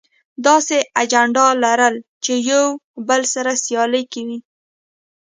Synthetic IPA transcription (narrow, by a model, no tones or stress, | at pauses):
d̪ɑsead͡ʒaɳɖɑlaɾəl | t͡ʃejawbəlsaɾasjɑləjkawi